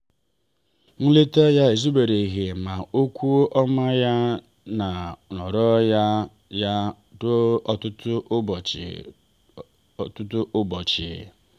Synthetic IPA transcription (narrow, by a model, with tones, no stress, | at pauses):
ŋ̩˦le˦te˦ja˦e˨zu˦be˨ɾe˨i˨ɣe˨ma˨o˦kʷu˦o˦ʔɔ˦ma˦ja˦ | na˨nɔ˨ɾɔ˦ja˦ | ja˦ | dʊ˦ɔ˨tʊ˦tʊ˦˨ | tʊ˦tʊ˦ʔʊ˦bɔ˨t͡ʃɪ̰˨